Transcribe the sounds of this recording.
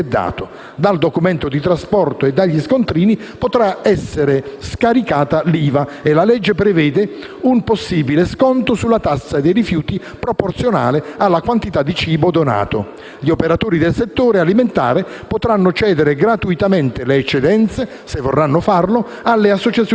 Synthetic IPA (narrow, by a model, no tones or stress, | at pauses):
d̪ːa̰ːt̪o | d̪ald̪okumɛnt̪od̪it̪ɾaspɔrt̪oed̪ːaʎːiskont̪ɾiːni | pot̪ɾaɛsːeɾeskaɾikaːt̪aliːvaelalɛd͡ʒːepɾɛvɛːd̪ɪ | umposːiːbileskɔnt̪osulːat̪asːad̪ejɾifjuːt̪i | pɾoport̪sjona̰ːlɪalːakwant̪it̪ad̪ːit͡ʃiːbod̪ona̰ːt̪o̰ | ʎiopeɾat̪oːɾid̪elset̪ːoːɾealiment̪a̰ːɾe | pot̪ɾanːʊt͡ʃɛːd̪eɾeɡɾat̪uit̪amɛnt̪eleːt͡ʃːed̪ɛnt̪se | sevːorːanːʊfarlo | alːeasːot͡ʃat̪s